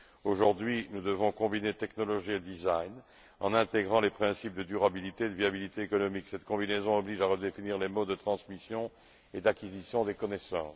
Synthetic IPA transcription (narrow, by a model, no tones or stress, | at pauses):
oʒuʁd̪ɥinud̪əvɔ̃kɔ̃binet̪ɛknɔlɔʒied̪izajn | ɑ̰̃nɛ̃t̪eɡʁɑ̃lepχɛ̃sip̚d̪əd̪yʁabilit̪ed̪əviabilit̪eːkɔnɔmiksɛt̪kɔ̃binezɔ̃ɔbliʒaʁəd̪efiniʁlemod̪ət̪χɑ̃smisjɔ̃ | ed̪akʲizisjɔ̃d̪ekɔnɛsɑ̰̃ː